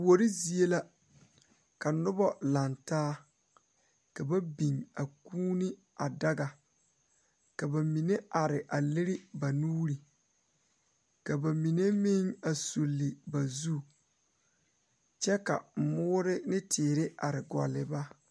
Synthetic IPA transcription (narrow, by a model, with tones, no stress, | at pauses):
wo˨ɾi˦zi˨e˦la˦ | ka˨nʊ˦bɔ˦la˨ntaː˦ | ka˨ba˦bi˨ŋa˨kuː˦ni˦ | a˨da˦ɡa˨ | ka˨ba˨mi˨ne˦ʔa˨ɾɪ˨ʔa˨lɪ˦ɾɪ˦ba˨nuː˦ɾi˨ | ka˨ba˨mi˨ne˦mɪ˦ŋa˨su˨lːɪ˨ba˨zu˦ | t͡ʃɛ˦ka̰˨m˨mʊː˦ɾɪ˦nɪ˦tʰɪː˨ɾɪ˦ʔa˨ɾɪ˨ɡɔ̰˨lːɪ˨ba˦